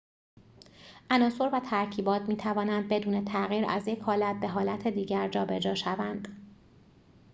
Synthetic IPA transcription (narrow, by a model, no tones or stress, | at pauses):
ʔænɒːso̞ɾvæt̪ʰæɾcʰiːbɒːt̪ʰmiːt̪ʰævɒːnænd̪̚be̞d̪uːne̞t̪ʰæɣiːɾæ̰zjecʰhɒːlæt̪̚be̞ɦɒːlæt̪ʰe̞d̪iːɟæɾd͡ʒɒːbe̞d͡ʒɒːʃævænd̪̥